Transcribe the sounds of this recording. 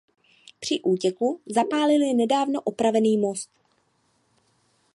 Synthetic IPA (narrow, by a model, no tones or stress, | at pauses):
pr̝̥ɪʔuːcɛkuzapaːlɪljɛnɛdaːvno̞ʔopɾavɛniːmo̞st̪